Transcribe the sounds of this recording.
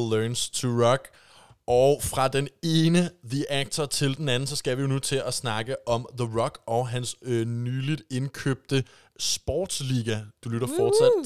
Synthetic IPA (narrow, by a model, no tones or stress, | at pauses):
løːnst͡sʰoʁɒɡ̥ | ɒʊfʁɑ̈d̥ene̝ːnəðiʔæɡ̥̚t͡sʰɐt͡sʰe̝ld̥en̩æn̩sɒ̽sɡ̥æʋijo̝nut͡sʰe̝ʔæsnɑ̈ɡ̥əʔɒ̽mðəʁɒ̽ɡ̥ɒɦænsnyːlid̥e̝nkʰøb̥̚d̥ə | sb̥ɒ̰ːd̥sliːɡ̥æd̥ulyɾ̥ɐfɒ̥ːsæd̥